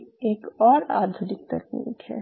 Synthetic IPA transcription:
eːkɔːɾa̰ːd̪ʱʊnik̚t̪ɐknḭːkɦɛ̰

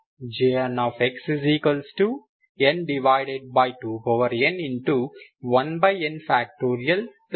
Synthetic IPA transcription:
d͡ʒeɐnɔːfekssiːkəlsʈuː | ẽnɖiʋaɪɖeɖ̚baɪʈuːkoːʋəɾẽnĩɳʈuʋʌ̃nbaɪẽnfæk̚ʈoːɾiɐl

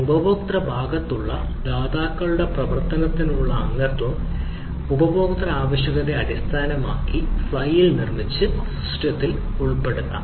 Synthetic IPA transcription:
ubɐboːkt̪rɐbʱaːɡɐt̪ːuɭːɐ̰ | d̪aːd̪aːkːɐɭuɽe̞prɐʋɐrt̪ɐnɐt̪ːinuɭːɐːŋɡɐrt̪ːum | ubɐboːkt̪rɐaːʋɐɕjɐɣɐðeɐɽist̪ʰaːnɐmaːkːifɭɐjilnirmit͡ɕːɨɐsuʂʈjɐt̪ːil | uɭpːe̞ɽunːɐ̰

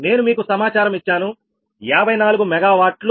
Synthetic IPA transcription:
ne̞ːnumiːkusɐmaːt͡ʃaːɾɐmit͡ʃːaːnu | aːbʱɐjnaːluɡumɛɡaːʋaːʈl

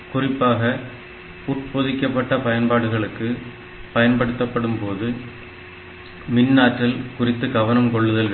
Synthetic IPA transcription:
kʊrɪpːaːɣɐ | ʊʈpoðɪkːɐpːɐʈːɐpɐjɐnpaːɽɯɣɐɭɯkːɯ | pɐjɐnpɐɽɯt̪ːɐpːɐɽɯmpoːðɯ | mɪnːaːʈːɪlkʊrɪt̪ːɯɡɐʋɐnɐmkɔɭːɯðɐlɣɐ

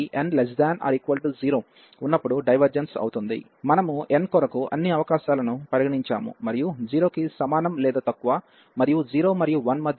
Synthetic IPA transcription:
iʔenlesd̪aːnɐ̰ːɾikʋɐlʈid͡ʒiːɾoː | unːɐpːuɽuɖɐjʋɐɾd͡ʒensɐ̰wut̪und̪ḭ | mɐnɐmuenkɔɾɐkuɐ̰nːiɐʋɐkaːʃaːlɐnupɐɾiɡɐɳiɲt͡ʃa̰ːmṵmɐɾijud͡ʒiːɾo̞ːkisɐmaːnɐmlɛːd̪ɐt̪ɐkːuʋaː | mɐɾijud͡ʒiːɾo̞ːmɐɾijuʋɐnmɐd̪ʱj

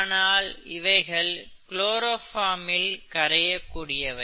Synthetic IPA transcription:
naːlɪʋɐɪɣɐɭkɭoːɾoːfaːmɪlkɐɾɐjɐkːuːɽɪjɐʋɐ

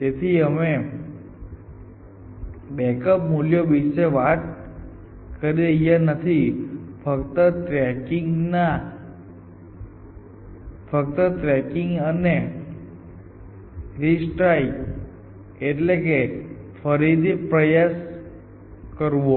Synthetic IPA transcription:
t̪et̪ʰiəme | bɛkəp̚muljoʋiʃeʋat̪̚ | kəɾjeijanət̪ʰifəkt̪ət̪ɾɛkiŋɡna | fək̚t̪ət̪ɾɛkɪŋɡəne | ɾisʈɾai | eʈlekefʰəɾid̪ipɾəjas | kəɾʋo

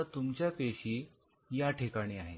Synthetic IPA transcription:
at̪umt͡ɕjapeɕiː | jaʈʰekaɽ̃iːaɦe

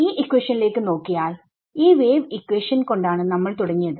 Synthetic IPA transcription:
iːʔikːweːʂɐnile̞ːkːɨno̞ːkːijaːl | iːʋeːʋikːweːʂɐnko̞ɳɖaːɳɨnɐmːɐɭt̪uɽɐŋːijɐðɨ

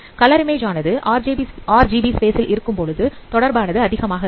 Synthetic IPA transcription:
kɐlɐɾmeːd͡ʒaːnɐðɯʔaːɾaːɾd͡ʒiːbispeːsɪlʔɪɾɯkːɯmpɔɻɯðɯt̪ɔɽɐɾbaːnɐðɯɐðɪɣɐmaːɣɐ

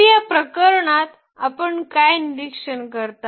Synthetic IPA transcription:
japɾəkəɾɳat̪ | apəɳkajnidikʂənkəɾt̪a

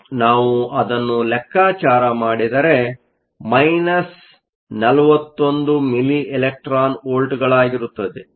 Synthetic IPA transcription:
naːʋuʔɐd̪ɐnːulɛkːaːt͡ʃaːɾɐmaːɽid̪ɐɾe̞ | mɐjnɐs | nɐlɐʋɐt̪ːo̞nd̪umiliʔelek̚ʈɾaːnoːlʈɡɐɭaːɡiɾut̪ːɐd̪e

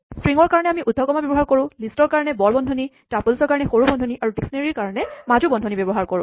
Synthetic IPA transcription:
stɹiŋɔɹkaɹɔnɛamiʔud̪ʱːɔkɔmabjbɔɦaɹkoɹʊ̃listɔɹkaɹɔnɛbɔɹbɔndʱɔni | tapulsɔɹkaɹɔnɛxoɹubɔndʱɔniʔaɹutiksneɹiɹkaɹɔnɛmad͡ʒubɔndʱɔnibɔbɔɦaɹkoɹʊ̰̃

